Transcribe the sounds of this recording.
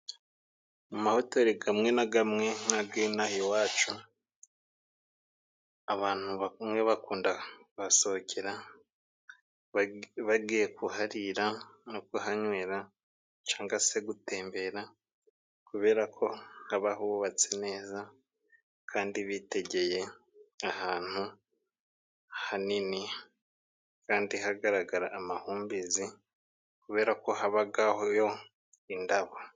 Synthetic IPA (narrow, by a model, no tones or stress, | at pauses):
mumahotoɾiɡamŋe̞naɡamŋe̞nabɡinahiowaːt͡ʃu | aβaːn̥huβmwe̞βakuːndaβasoocʰeɾa | βaɡije̞kuhaɾiɾanokuhaɲweːɾa | t͡ʃaːŋɡase̞ɡute̞ːmbe̞ɾa | kuβe̞ːɾakʰo̞haβahuββat͡sene̞ːza | kʰaːndiβite̞ɟe̞je̞ | ahaːn̥hu | hanini | kaːndihaɡaɾaɡaɾaʔːmahuːmbizi | kuβe̞ːɾako̞haβaɡahojo̞ | indaβo